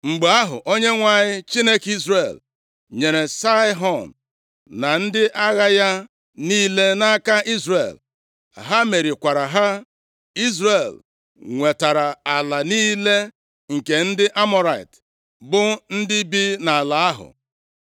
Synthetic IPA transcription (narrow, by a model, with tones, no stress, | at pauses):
ŋ͡m̩˨ɡ͡ba˦ɦʊ̰˨ʔo˦ɲe˦ŋʷa˨ɲɪ˦t͡ʃi˦ne˦ki˦zɾe˨l | ɲe˨ɾe˨sa˦ɦɔ˨n | na˨n̩˦dɪ˦ʔa˦ɣa˦ja˦ | niː˦le˦na˦ka˦i˦zre˨l | a̰˨ɦa˦me˨ɾi˨kʷa˨ɾa˨ɦa˦ | i˦zɾe˨l | ŋʷe˨ta˨ɾa˨a˨la˨niː˦le˦ | ŋ̩˨ke˨n̩˦dɪ˦ʔa˦mɔ˦ɾa˨ɪ̰˨t | bʊ˦n̩˦dɪ˦bi˦na˨a˨la˨a˦ɦʊ̰˨